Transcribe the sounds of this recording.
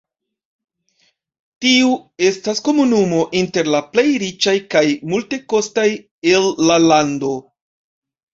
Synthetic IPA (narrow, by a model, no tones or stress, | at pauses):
tiue̞stasko̞munumo̞ʔinte̞ɾlaple̞jɾit͡ʃajkajmulte̞ko̞staj | e̞lːalando̞